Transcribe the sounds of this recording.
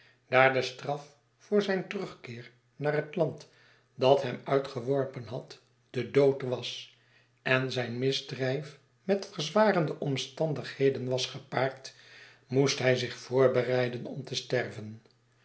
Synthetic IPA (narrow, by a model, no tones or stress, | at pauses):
d̥aːɹdəstrɑf | fʊːɹzɛjntərɵχkɪːɹ | naːrɦətlɑnt | dɑtɦɛmœɥtχəʋɔɹpənɦɑt | d̥ədowtʋɑs | ʔɛnzɛjnmɪzdrɛjf | mɛtfəɹzʋaːrəndəʔɔmstɑndəχhejdənʋɑsχəpaːɹt | mustɦɛjzɪχfʊːɹbərɛjdənɔmtəstɛrvən